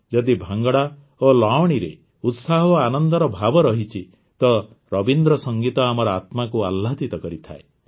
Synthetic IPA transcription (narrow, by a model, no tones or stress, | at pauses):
d͡ʒɔd̪ibʱaŋɡɔɽa | olawɽ̃iɾḛ | ut̪saɦɔanɔnd̪ɔɾɔbʱabɔɾɔɦit͡ʃʰi | t̪ɔ | ɾɔbind̪ɾɔsɔŋɡit̪ɔamɔɾɔat̪makualːat̪it̪ɔkɔɾit̪ʰae